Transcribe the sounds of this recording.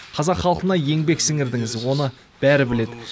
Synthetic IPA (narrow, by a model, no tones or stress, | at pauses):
qʰɑzɑqχɑlˠqənɑje̞ŋbe̞ksɪŋɪɾd̪ɪŋɪzwo̞nə | b̥æɾɪbɪle̞d̪ɪ